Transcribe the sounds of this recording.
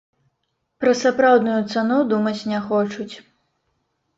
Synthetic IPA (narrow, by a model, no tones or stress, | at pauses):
pɾɐsapɾawd̪nujut̪sanud̪umɐt͡sʲnʲɛxɔt͡ʂut͡sʲ